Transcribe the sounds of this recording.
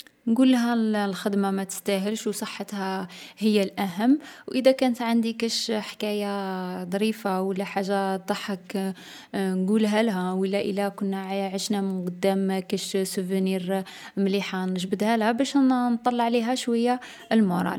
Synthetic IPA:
nɡulːɦælxəd̪mamæt̪ə̥st̪æɦəlʃwsˤəħːət̪hæhəjːælʔæɦəmːwʔəd̪ækænət̪ʕand̪ikæʃħkæjad̪ˤɾifawəlːæħaʒːad̪ˤɑħək | nɡulɦælɦæwəlːæʔəlːækʊnːæʕʕəʃnæmənqɑd̪ːæmkæʃsuvniɾ | mliħanəʒbəd̪hælhæbæʃnt̪ˤːɑlːɑʕliɦæʃwæjːa | lmoɾˤɑ̰l

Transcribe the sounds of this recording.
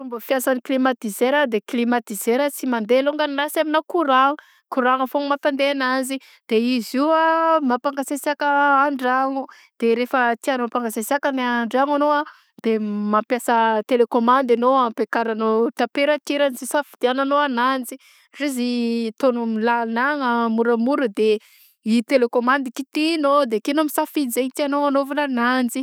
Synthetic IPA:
fumbəfijasaniklimat̪izeɾad̪eklimat̪izeɾət͡simand̪eloŋɡanilasaminakuɾaŋ | kuɾaŋafoŋmat̪and̪eanazi | d̪̥eiziamapaŋɡasesakaaɳɖ͡ʐaŋu | d̪̥eɾefət̪ianopaŋɡasesakanaɳɖ͡ʐaŋanoa | d̪̥emapjasət̪elekomand̪anoampekaɾanot̪apeɾat̪eɾanizisafid̪̥iananoanand͡zi | rizit̪onumilanaŋamuɾamuɾud̪e | it̪elekomand̪ikit̪inod̪ekenomisafizeɲt̪ianoanovananand͡zi

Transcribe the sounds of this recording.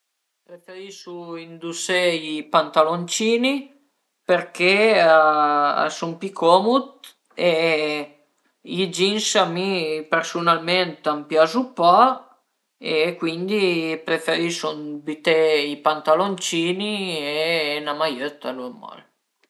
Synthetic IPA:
pɾefeɾiʃuind̪useipant̪alont͡ʃiːni | peɾkeaa̰sumpikʰomut̪ | e | id͡ʒinsamipeɾsunalment̪ampjazupɔ | ekwind̪ipɾefeɾiʃunbit̪eipant̪alont͡ʃiːnieːnamajøt̪ːa̰luɛmːɔ̰l

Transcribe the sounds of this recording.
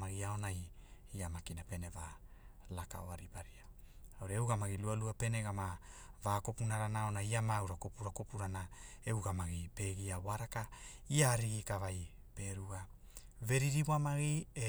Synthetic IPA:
maɡiao̞najiamakinape̞ne̞valaka̰oaɾipaɾiaawɾeewɡamaɡilualuape̞neɡamavako̞punaɾanao̞naiamawɾako̞puɾakopuɾanae̞uɡamaɡipe̞ɡiawaɾaka | iaɾiɡikavaj | pe̞ɾuɡa | ve̞ɾiɾiwamaɡie

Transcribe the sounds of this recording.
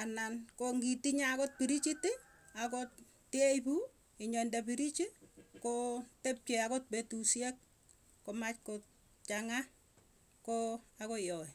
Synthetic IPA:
anankoŋɡitiɲakot̚piɾit͡ʃiti | akot | tejpu | ɪɲɔndapiɾit͡ʃikotep̚t͡ʃeakot̚petusjek̚ː | omat͡ʃkot | t͡ʃaŋa | koakojɔi

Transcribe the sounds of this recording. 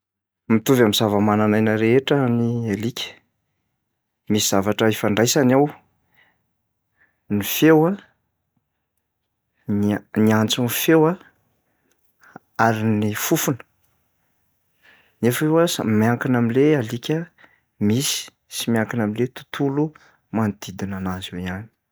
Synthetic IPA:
mit̪uvamizavəmananajnəɾeeʈ͡ʂənialikʲə̥ | misiz̥avaʈ͡ʂəefaɳɖ͡ʐajsanaw | nifewa | nniant͡sunfewa | aɾinifufunə̥ | nefewasa̰miaŋkinamilealikʲə | misi̥ | simiaŋkinamilet̪u̥t̪ʰulu | mand̪̥id̪inanazwejani̥

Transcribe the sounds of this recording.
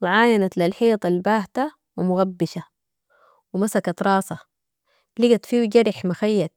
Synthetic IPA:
wɪʕaːjanat̪lalħiːt̪ˤɑlbaːht̪a | wɪmʊɣabːɪʃa | wɪmasakat̪ɾˤɑːsɑ | lɪɡat̪fiːwd͡ʒaɾɪħmaxajːat̪̚

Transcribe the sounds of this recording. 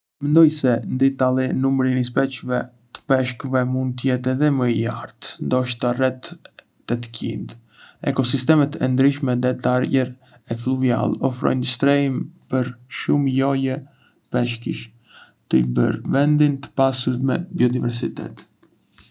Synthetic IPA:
mɛnd̪ɔjsɛnd̪it̪alˠinumɾinispɛt͡ʃvɛ | t̪ə̥pɛʃkəvɛmund̪̚t̪əjɛt̪ɛðɛməja̰ɾt̪nd̪ɔʃt̪arɛt̪ː | ɛt̪ə̥cḭnd̪ | ɛkɔsist̪ɛmɛt̪ɛnd̪ɾiʃmɛd̪ɛt̪aɾjɛɾ | ɛfluvia̰lˠɔfɾɔ̰jnd̪əst̪ɾɛimpəɾʃumjɔjɛ | pɛʃkḭʃ | t̪əibə̰ɾvɛnd̪int̪ə̥pasuɾmɛbiɔd̪ivɛɾsit̪ɛ̰t̪

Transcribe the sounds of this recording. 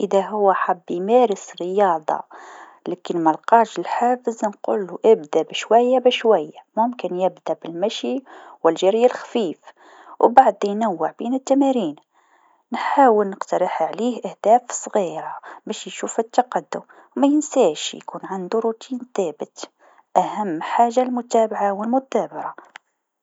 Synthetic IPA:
ʔəðæɦʊwːaħabːjmæɾəsɾəjɑːd̪ˤɑ̰ | lækənmælqɑːʃɪlħaːfəznqṵlːuʔɪbd̪æbʃwæjːabæʃwæjːamʊmkənjɪbd̪æbɪlmæʃiwɪlʒæɾjalxfiːf | wbaʕd̪jnawːəʕbiːnɪt̪ːæmæɾiːn | nħaːwəlnəqt̪ɑɾˤɑħʕliːhʔæhd̪̥æːfsˤɣiːɾɑbæʃjʃuːfɪt̪ːɑqɑd̪ːʊm | wmæjɪnsæːʃjkuːnʕand̪uɾˤut̪ʰiːnθæbət̪ | ʔæhæmːħaːʒːalmʊt̪æːbaʕawəlmʊd̪æːbɑɾa

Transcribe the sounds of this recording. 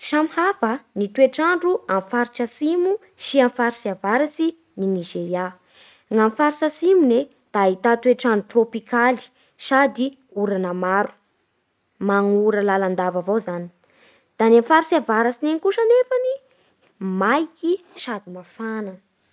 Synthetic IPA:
iʃamihafənit̪wueʈ͡ʂaɳɖ͡ʐuamfaɾit͡ʃasimu | siamfaɾisiavaɾasi | ninizeɾja | ŋamfaɾisasimune | d̪̥ait̪at̪ueʈ͡ʂaɳɖ͡ʐut̪ropikali̥ | sad̪i | uɾanəmaɾu̥ | maŋuɾəlaland̪avavowzani̥ | d̪̥anamfaɾisavaɾasineŋkuʃanefani | majki | ʃad̪imafanə

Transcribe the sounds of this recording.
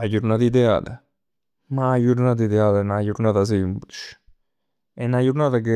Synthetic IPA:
ad͡ʒuɾnat̪id̪ɛa̰ːt̪a | maːd͡ʒuɾnaːt̪̬id̪ɛad̪enajuɾnaːt̪as̬implit͡ʃ | ɛnajuɾnaːt̪ak̬e

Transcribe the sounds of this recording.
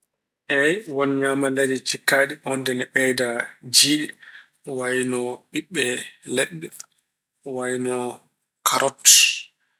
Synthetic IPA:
ʔɛjwɔnɲamaledɛt͡ʃikːaːɗihɔndɛnɛɓɛjdad͡ʒiːɗɛ | wajnɔɓiɓːɛlɛɗːɛ | wajnɔ | kʰaɾɔtːi̥

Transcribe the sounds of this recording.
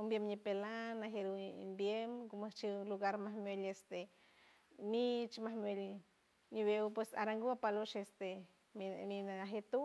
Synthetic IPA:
umbjemɲipelanaɦeɾṵmbjemkomat͡ʃiluɡaɾmahmjelest̪e | nit͡ʃmahmjwel | niβewpwesa̰ɾaŋɡuapaloʃest̪e | minaaɦet̪u

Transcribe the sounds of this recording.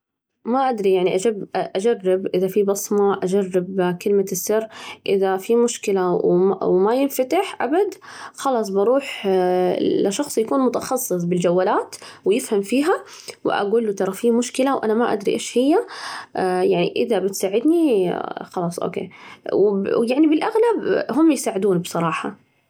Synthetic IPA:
maʔad̪ɾijaʕniʔad͡ʒabʔad͡ʒarːɪbʔɪðafibɑsˤmɑʔad͡ʒarːɪbkɪlmasːɪrːʔɪðafimʊʃkɪlawwmajɪnfat̪ɪħʔa̰bad̪xɑlɑːsˤbɑɾˤuːħ | laʃɑxsˤjakuːnmʊt̪ɑxɑsˤːɨs̬ˤbɪld͡ʒawːalaːt̪wjɪfhamfiːɦa | wɪʔa̰ɡuːlut̪ɑɾˤɑfiːmʊʃkɪlawʔa̰namaʔa̰d̪ɾḭʔeːʃhɪjːa | jaʕnḭʔɪðabɪt̪saːʕɪd̪nixɑlɑːsˤʔo̰ːkḛːwjaʕnibɪlʔaɣlabɦʊmːjsaːʕɪd̪uːnbsˤɑɾˤɑːħɑ

